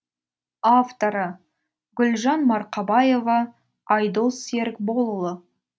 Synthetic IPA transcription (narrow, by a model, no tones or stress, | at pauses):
aft̪o̞ɾə | ɡʲʏlʒɑnmɑɾqɑbɑje̞vɑ | ɑjd̪əlˠse̞ɾkbo̞lˠəlˠə